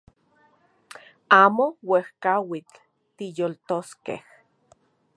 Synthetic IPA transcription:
aːmowehkawit͡ɬ | t̪ijolt̪oskḛh

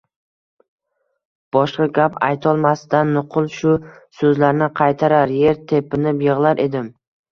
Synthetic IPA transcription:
b̥ɒʃqɑɡʲapa̰jt̪ʰɒlˠmasɪd̪anːʊqʰʊlˠʃʊsɵzlaɾnɪqʰɑjt̪ʰaɾaɾje̞ɾt̪ʰe̞pɪnɪpjɨʁlˠaɾʔe̞d̪ɪm

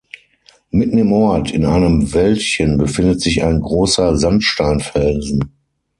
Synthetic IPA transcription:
mɪtn̩ɪmʔɔɐtʰɪnaɪnəmvɛltçənbəfɪndətz̥ɪça̰ɪnɡʁoːsɐzantʃtaɪnfɛlzn̩

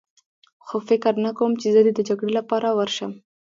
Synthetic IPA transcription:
xofɪkɾnakawəmt͡ʃezəd̪ed̪əd͡ʒaɡɽelapɑɾawəɾʃəm

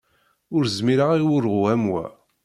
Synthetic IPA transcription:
ʊɾzmiɾaʁiwʊɾʁæmwæ̰

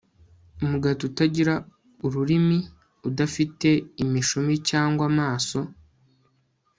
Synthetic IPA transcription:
umuɡatutaɟiɾa | uɾuɾimi | udafite̞imiʃomicaːŋɡwamaːso̞

